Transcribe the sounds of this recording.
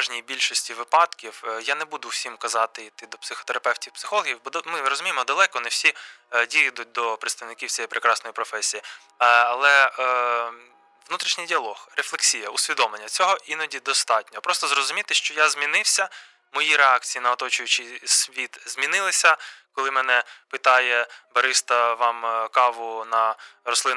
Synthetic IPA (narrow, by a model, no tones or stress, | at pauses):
ʒnʲijbʲilʲʃɔsʲtʲiʋɪpɑd̪kʲiwjanɛbud̪ʊwsʲimkɐzɑt̪ɪit̪ɪd̪ɔpsɪxɔ̥t̪eɾɐpɛwtʲiwpsɪ̥xɔlˠɔɦʲiwbɔd̪mɪɾɔzʊmʲijmɔd̪ɐlˠɛkɔnɛwsʲi | dʲijid̪ʊt̚ʲd̪ɔpɾɪt̪st̪ɐʋnɪkʲiwt͡sʲɛjɛjpɾekɾɑsnɔjipɾɔfɛsʲiji | ɐlˠɛ | ʋnut̪ɾʲiʃnʲɪjdʲiɐlˠɔhreflˠeksʲijɐʊsʲʋʲid̪ɔmlˠenʲːɐt͡sʲɔɦɔʔinɔdʲid̪ɔst̪ɑt̚ʲnʲɔpɾɔst̪ɔzrɔzʊmʲit̪ɪʃt͡ʃɔjazʲmʲinɪwsʲɐ | mɔjiɾeɑkt͡sʲijinɐɔt̪ɔt͡ʃʊjʊt͡ʃɪjsʲʋʲit̪zʲmʲinɪlˠɪsʲɐkɔlˠɪmɛnɛpɪt̪ɑjɛbɐɾɪst̪ɐʋɑmkɑʋʊnɐɾɔslˠɪn